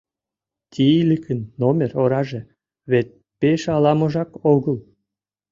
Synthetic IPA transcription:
t̪ʲiilʲikʰənːomʲeroɾɑʒĕ | βet̪̚ | peʃɑlɑmoʒɑkoɣəl

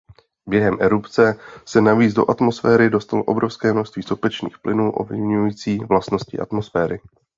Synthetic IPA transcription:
bjɛɦɛmʔɛɾupt͡sɛsɛnaviːt͡sdo̞ʔat̪mo̞sfɛːɾɪdo̞st̪aloʔo̞bɾo̞fskɛːmno̞ʃst̪viːsopɛt͡ʃnḭːxplʔɪnuːʔo̞̰vlɪvɲujiːt͡siːvlast̪no̞scɪ̰ʔa̰t̪mo̞sfɛːɾɪ

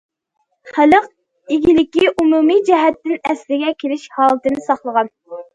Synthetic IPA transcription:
χæləq | iɡʲilɪkʲiʔumumid͡ʒɛɦɛt̪ːɪnɛslɪɡʲɛkʲʰelɪʃhɑːlˠɨt̪ɨnɨsɑχlˠəʁɑn

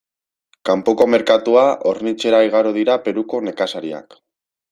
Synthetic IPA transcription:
kampoko̞me̞ɾkat̪uaʔoɾnit͡ʃe̞ɾaiɣ̞aɾoð̞iɾape̞ɾuko̞ne̞kasaɾia̰k

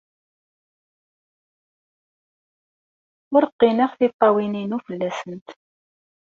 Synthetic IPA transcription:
ʊɾəqːinəχθit̪ˤːɑwininufəlːæsənt̪

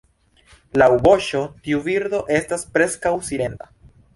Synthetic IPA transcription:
lawbo̞ʃo̞tiuviɾd̪o̞ʔe̞staspɾe̞skawsile̞nta

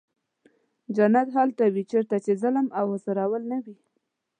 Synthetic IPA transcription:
d͡ʒanat̪ɦalt̪awit͡ʃeɾt̪at͡ʃezaləmawhəsaɾawəlnawi

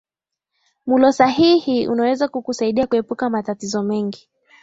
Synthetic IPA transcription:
mulɔsaɦihiṵnawɛzakukusaiɗiakuɛpukamatatizɔmɛŋɡi

